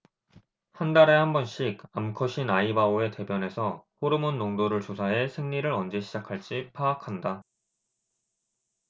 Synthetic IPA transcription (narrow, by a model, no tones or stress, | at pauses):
handaɾe̞hambʌnɕ͈ʰiɡamkʰʌɕʰinaibaoe̞te̞bjʌne̞sʰʌɸoɾɯmunːoŋdoɾɯɭt͡ɕosʰaɦe̞sʰe̞ŋɲiɾɯɾʌnd͡ʑe̞ɕʰid͡ʑakʰaɭt͡ɕ͈ipʰaːkʰanda